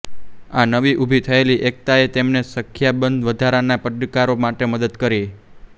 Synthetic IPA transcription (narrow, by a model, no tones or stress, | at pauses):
anəʋiʔubʱit̪ʰəeliʔek̚t̪aet̪emnesəkʰːjabənd̪ʋəd̪ʱaɾanapəɖkaɾomaʈeməd̪əd̪kəɾi